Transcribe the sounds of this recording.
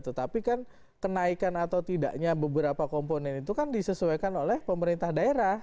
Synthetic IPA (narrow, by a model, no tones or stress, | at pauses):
t̪ət̪apikan | kənaikanat̪awt̪ida̰ʔɲabəbəɾapakomponɛnit̪ukandisəsuakanolɛhpəməɾint̪ahdaeɾah